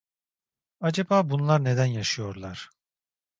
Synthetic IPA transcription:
ad͡ʒabaːbunlˠaɾne̞d̪ænjaʃɯjo̞ɾlˠaɾ̥

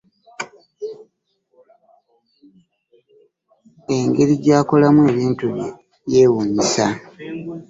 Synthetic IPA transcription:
e̞ŋɡe̞ɾiɟaːko̞lamwe̞ːβiːntuβ | je̞ːwuːɲisa

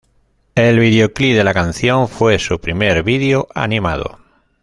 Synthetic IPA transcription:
elβiðeokliðelakanθjõɱfwesupɾimeɾβiðeoʔa̰nĩmað̞o̰

